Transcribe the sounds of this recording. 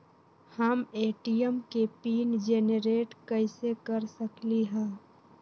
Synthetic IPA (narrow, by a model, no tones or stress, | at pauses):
həmeːʈijəmkepiːnd͡ʒeːnəɾeːʈkəɪsekəɾsəkliɦɛ̃ː